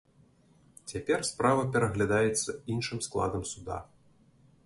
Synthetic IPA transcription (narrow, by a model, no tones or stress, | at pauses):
t͡sʲapʲɛrspɾavɐpʲɛɾɐɣlʲad̪ajɛt̪sːɐinʂɨmsklˠa̰d̪ɐmsud̪a̰